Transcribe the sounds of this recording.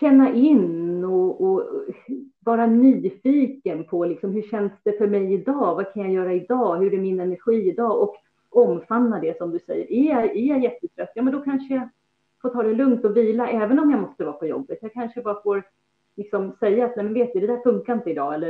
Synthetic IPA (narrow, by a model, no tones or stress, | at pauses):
ɕɛnːaʔɪnɔɔ | vɑːɾanyːfiːkənpʰɔlɪksɔmhɵɕɛnd̪sd̪ɛfœɾmɛjɪd̪ɑːvakʰanjajœːɾaɪd̪ɑːɦɵɾɛæɾmɪnɛnæɾɧiːɪd̪ɑːɔk | ɔmːfanːad̪ɛsɔmd̪ɵsɛ̰jːə̰ɾʔɛjaæjajɛt̪ːət̪ʰɾœt̪ːjɑːmɛnd̪ɔkʰanʂəja | foːʈ̪ʰɑːd̪ɛlɵŋt̪ɔviːlaʔɛːvənɔmjamɔst̪əvɑːpʰɔjɔ̰bːət̪jaɡkʰanʂəbɑːɾafoːɾ | lɪksɔmsɛjːaːt̪nɛjmɛnveːt̪d̪ɵd̪ɛd̪æɾfɵŋkaɾɪnt̪əɪd̪ɑːɛlːə